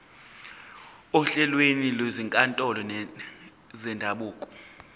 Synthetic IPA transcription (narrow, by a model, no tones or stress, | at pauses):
ɔɬɛlweniloziŋkʼantʼɔlɔn | zɛndʱaɓuːkʼɔ̥